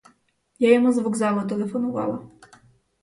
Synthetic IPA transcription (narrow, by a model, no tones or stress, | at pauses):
jajɛmuzvuɡzamɔt̪ɛlɛfɔnɔva̰wa̰